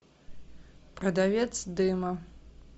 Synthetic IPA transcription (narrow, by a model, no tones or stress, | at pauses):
pʼrɐd̪avʲet͡sʰd̪ɨmɐ